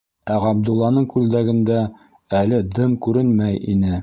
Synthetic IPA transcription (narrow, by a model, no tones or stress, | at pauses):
æʁɑb̚d̪ulˠːɑnɤɴkʉld̪æɡɘ̆nd̪æ | ælɘd̪ɤmkʉɾɘnmæjḭnɘ